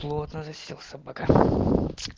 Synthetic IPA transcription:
plˠot̪nəzɐsʲilˠsʲɐbɐka

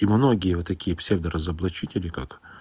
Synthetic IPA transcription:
imno̞ɡʲɪjəvot̪ːɐkʲijəpsʲevd̪əɾɐzɐblˠɐt͡ɕitʲɪlʲɪka̰k

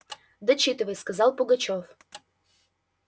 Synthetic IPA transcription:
d̪ət͡ɕit̪ɨvəjskazɑlˠpuɡat͡ɕof

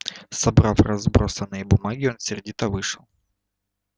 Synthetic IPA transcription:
sɐbɾafrɐzbɾosɐnɨjɛbʊmaɡʲɪonsʲɪrdʲit̪ɐvɨʂɐlˠ

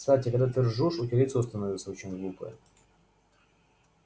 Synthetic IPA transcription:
kst̪atʲɪkɐɡd̪at̪vʲɪrʐuʂʊtʲɪɾʲit̪səʊst̪ɐnovʲɪt̪səot͡ɕɪnʲɡlˠupə̰j

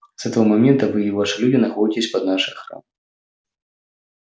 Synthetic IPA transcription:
z̥ɛt̪ɐvɐmamʲɛnt̪ɐvɨivaʂɨlʲudʲinaxɔitʲɪsʲpɐd̪̚naʂɨxɾa̰m

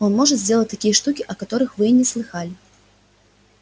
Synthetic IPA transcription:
ɔnmɔʐɐzʲd͡zʲɛlˠɐt͡sʲt̪akʲijɛʂt̪ukʲiʔɐkat̪ɔɾɨxvɨjnʲɛslˠɨxalʲi

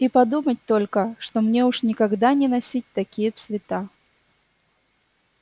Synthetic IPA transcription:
ipɐd̪umət̚ʲt̪olʲkəʂt̪omnʲeʊʂnʲɪkɐɡd̪anʲɪnɐsʲit̚ʲt̪ɐkʲijət̪svʲɪt̪a

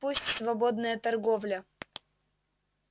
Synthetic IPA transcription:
pusʲtʲsvɐbod̪nəjət̪ɐrɡovlʲə

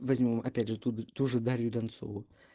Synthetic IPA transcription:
vɐzʲmʲo̞mɐpʲædʲʐɨt̪ut̪uʐɨd̪aɾʲɪjʊd̪ɐnt̪so̰vʊ

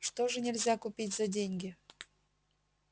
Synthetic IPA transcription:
ʂt̪oʐɨnʲɪlʲzʲakʊpʲitʲz̥ɐdʲenʲɡʲɪ

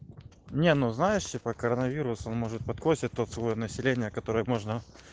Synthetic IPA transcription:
nʲenuznajɪʂtʲɪpəkəɾənɐvʲiɾʊso̞nmo̞ʐɨt̪̚pɐt̪k̪ˠosʲɪt̚ʲt̪ːo̞t̪svəjonəsʲɪlʲenʲɪjəkɐt̪o̞ɾɨjəmo̞ʐnə

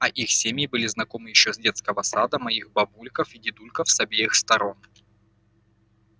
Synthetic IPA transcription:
ɐʔixsʲemʲjɪbɨlʲɪznɐko̞mɨjɪɕːozʲdʲe̞t̪skəvəsad̪əmɐixbɐbulʲkəfidʲɪd̪ulʲkəfsɐbʲejɪxst̪ɐɾo̞n

